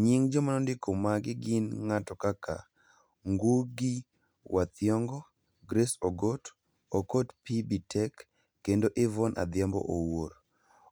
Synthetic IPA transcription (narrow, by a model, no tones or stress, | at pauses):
ɲiŋd͡ʒɔmanɔndɪkomaɡɪɡɪnŋatɔkaka̰ | ŋɡuɡi | wʔat̪ɪɔŋɡɔ | ɡɾesoɡot | okotpibitʰɛkː | endoʔɪvɔnʔa̰d̪jambɔ̰ʔowoɾ